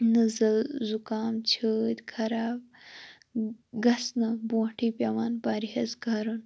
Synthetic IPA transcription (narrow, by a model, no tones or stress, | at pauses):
nɐzɐlzukaːmt͡ʃʰəːt̪ʲkʰɐɾaːb̚ | ɡɐsnɐbõːʈʰiːpʲɐʋaːnpaːɾihɐsɡʱɐɾun